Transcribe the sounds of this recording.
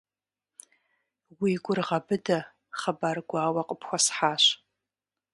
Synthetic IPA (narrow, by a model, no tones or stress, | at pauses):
wiɡʷʊrʁɐbɨdɐ | χɐbaːrɡʷaːwɐqʼəpʰxʷɔsħaːɕ